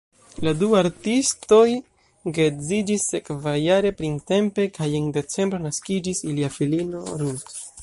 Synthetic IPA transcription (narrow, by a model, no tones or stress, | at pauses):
laduaɾtisto̞j | ɡe̞zid͡ʒisːe̞kvajaɾe̞pɾinte̞mpe̞kʰajende̞t͡se̞mbɾe̞naskid͡ʒisiliafilino̞ɾunt